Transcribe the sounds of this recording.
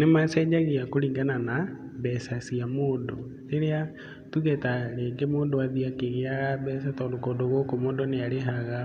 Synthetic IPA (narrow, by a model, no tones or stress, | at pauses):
nemasɛd͡ʒaɣiakoɾiːŋɡanana | bɛsasiamoːndo | ɾeɾea | tuɣɛtaɾeːɡemoːndoaðiakeɣeaɣabɛs̬atɔːndokoːdoɣokomoːndoneaɾeɦaɣa